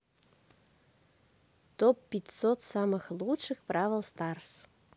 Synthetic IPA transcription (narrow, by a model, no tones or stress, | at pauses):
t̪opːʲitʲsot̪sɑməxlˠutʂɨxprɑvʲəlˠst̪ɑrs